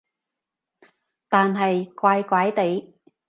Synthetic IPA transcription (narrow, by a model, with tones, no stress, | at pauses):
t̪aː˨nɦɐ˨jkʷwaː˧jkʷaː˨˥jt̪e˨˥j